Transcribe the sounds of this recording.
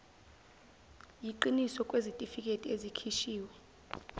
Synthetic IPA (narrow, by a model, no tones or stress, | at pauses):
jiǃinisɔkʼwezitʼifik̬ʼetʼiezikʰiʃiːwɛ